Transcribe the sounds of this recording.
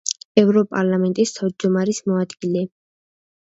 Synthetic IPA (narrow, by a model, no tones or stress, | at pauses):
ɛvɾɔpʼaɾlˠamɛnt̪ʼist̪ʰavd̪d͡ʒd̪ɔmaɾismɔad̪ɡilɛ